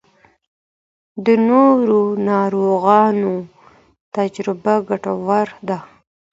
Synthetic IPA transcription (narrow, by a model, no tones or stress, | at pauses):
d̪ənoɾonɑɾoɣɑno | t̪ad͡ʒɾɪbaɡaʈawaɾd̪a